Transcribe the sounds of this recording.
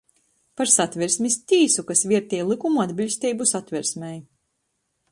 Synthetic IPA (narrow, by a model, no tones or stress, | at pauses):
paɾsat̪vʲiɾsmʲist̪ʲiːsukasvʲiɛɾt̪ʲiɛjlˠikumuad̪bilʲsʲt̪ʲiːbusat̪vʲiɾsmʲɛj